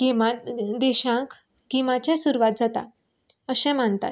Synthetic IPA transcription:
kimad̪ɛɕãk | kimat͡ɕɛ̃suɾʋat̪̚d͡zat̪a̰ | əɕɛ̃m̤ant̪a̰t̪̚

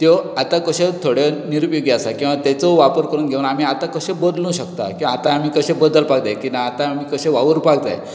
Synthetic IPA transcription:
t̪joat̪akəɕet̪ʰoɽɔniɾupjuɡeasakĩw̃ʋat̪ɛt͡soʋapəɾkəɾuːnɡʱeʋunamiːat̪akəɕẽbəd̪lũɕəkt̪a̰kĩãat̪aːm̤iːkəɕẽbəd̪əlpaɡd̪ajkinaːt̪aːm̤iːkəɕẽʋaʋəɾpaɡ̚t̪a̰j

